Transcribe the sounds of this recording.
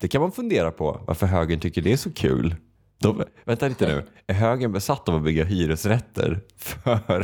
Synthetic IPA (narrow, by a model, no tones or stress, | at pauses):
d̪̥ɛkʰanmanfɵnd̪eːɾapʰɔ̰va̰ɾfœɾɦøːɡənt̪ʰʏkːəɖɛæʂɔkʰʉ̰ːl | d̪̥ɔvɛnt̪aɾiːt̪ənʉ̟̰ː | æɾɦøːɡənbɛsat̪ːɔvɔbʏɡːaɦyːɾɵsɾɛt̪ʰːə̰ɾ | fœɾ